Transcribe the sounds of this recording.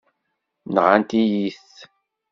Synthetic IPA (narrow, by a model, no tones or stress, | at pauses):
nəʁant̪ijiθ